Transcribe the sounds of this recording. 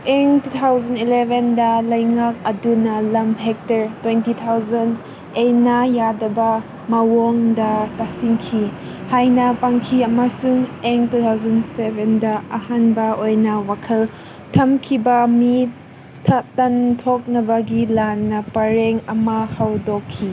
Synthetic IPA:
ʔɛŋtut̪ʰawzɐnilɛvɛndɐlɐjŋak̚ɐdunːɐlɐmɦɛk̚tɐɹtwɛntit̪ʰawzɐnd | enajadɐba | mawɔŋdɐtasiŋkʰi | hajnɐpaŋkʰiɐmasuŋɛŋtut̪ʰawzɐnsɛvɛndɐɐhanbɐʔojnɐwakʰɐl | tʰɐmkʰibɐmitʰ | ɐtɐntʰɔk̚nɐbɐɡilanːɐpɐɾɛŋɐmahɐwdɔkʰːi

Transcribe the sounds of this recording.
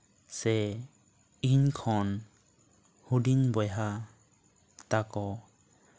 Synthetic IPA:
sɛ | inkʰɔn | huɖinbɔjɦa | t̪akɔ

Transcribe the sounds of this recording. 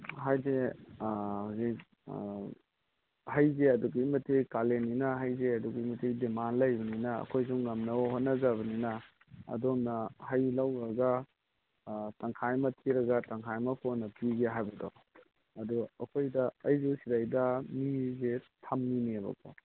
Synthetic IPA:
ɦajze | hasi | hɐjzeɐduɡɐimɐtikaleninɐɦɐjzeɐduɡɐimɐtʰidimanlɐjbɐninɐɐ̰kʰojzuŋːɐmnɐwɦot̚nɐzaβɐninɐ | ɐ̰domnɐhɐjlɐwɾɐɡɐ | tɐŋkʰajmɐtʰiɾɐɡɐtɐŋkʰajmɐpʰonɐpiɡeɦajbɐdo | ɐduɐkʰojdɐɐjzusidajdɐmizetʰɐmːinebɐ̰kʰo̰

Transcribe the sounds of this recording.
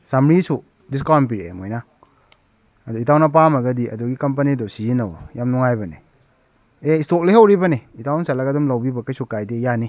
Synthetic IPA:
samɾisu | diskɔnp̬iɾḛmojna | aditawnap̬amaɡadiɐ̰duɡikamp̬anidɔwsiinawjamnuŋajbane | eistok̚leɦewɾibaneitawnsalakadumlawbibakajsukajdejani

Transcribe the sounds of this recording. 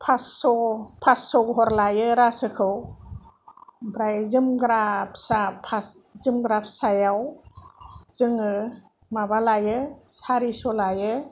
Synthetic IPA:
pʰasɔpʰasːɔɡɔɦɔɾlajɯɾasɯkʰɯw | bɾajzɯmɡɾap̚sapʰaszɯmɡɾap̚ʰsajaw | z̥ɯŋɯ | mabalajɯsaɾisɔlajɯ

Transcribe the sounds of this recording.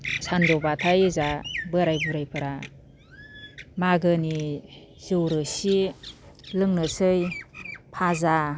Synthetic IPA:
sandɔbatʰajzabɯɾajbuɾajpʰɯɾa | maɡɯni | z̥ɯwɾɯsi | lɯŋnɯsɯjpʰaza

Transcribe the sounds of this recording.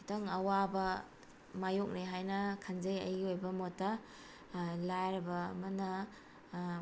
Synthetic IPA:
kʰitoŋɐwabɐ | majok̚neɦajnɐkʰanzɐjɐ̰jiojbɐmɔtːɐ | lajɾɐbɐ̰ːmɐnɐ

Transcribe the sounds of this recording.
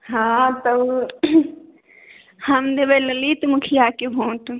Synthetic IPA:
ɦãt̪ə | həmd̪ebɛləlit̪mukʰijakebʱõːʈ

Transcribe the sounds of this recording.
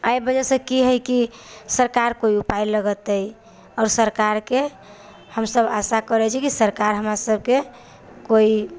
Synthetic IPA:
ajbəd͡ʒɛsə̃kiɦəjkisəɾkaɾkoiupailəɡət̪əj | ɔːɾsəɾkaɾke | həmsəbasakəɾɛt͡ʃʰikisəɾkaɾɦəmɾasəb̚ʱke | koi

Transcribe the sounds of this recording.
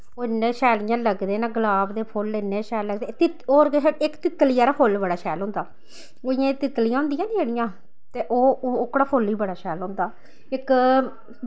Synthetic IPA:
oːɪnːẽːʃɛːlɪjãːləɡd̪eːnãːɡəlaːbd̪eːpʰolːɪnːẽːʃɛːlːəɡd̪et̪ɪ | oːɾɡeɪkt̪ɪt̪ːliːaːɾaːpʰolbəɽaːʃɛːlɦõːnd̪aː | oːɪjãːt̪ɪt̪ːlijãːʊ̃nd̪ɪjãːnĩəɽɪjãː | t̪eːʔoːʊkːɽaːpʰolːiːbəɽaːʃɛːlɦõːnd̪aː | ɪk

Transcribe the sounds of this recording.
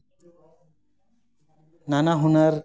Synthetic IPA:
nanaɦunaɾ

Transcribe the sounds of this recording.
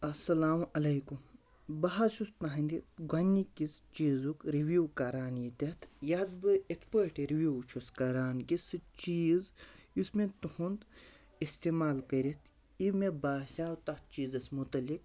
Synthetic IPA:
ɐsːɐlaːmɐlɐjkum | bɐɦɐʃust̪naɦɐnd̪iɡɐnːikist͡ʃiːzukɾiʋuːkɐɾaːnjit̪ʲɐt̪ʰjad̪bɨekspəʈiɾiʋjuwt͡ʃʰuskɐɾaːnkisɨt͡ʃiːzismẽt̪uhund̪ | ist̪eːmaːlkɐɾʲit̪ʰ | imebaːsaːwt̪ɐt̪̚t͡ʃiːzɐsmut̪ɐlik̚

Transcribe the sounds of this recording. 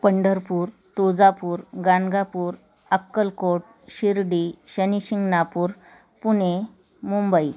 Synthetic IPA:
pəɳɖəɾpuːɾ | t̪ud͡zapuːɾɡanɡapuːɾ | əkːəlkoʈ̚ | ɕiɾɽiɕəniɕiŋɡnapuːɾ | pune | mumbəi

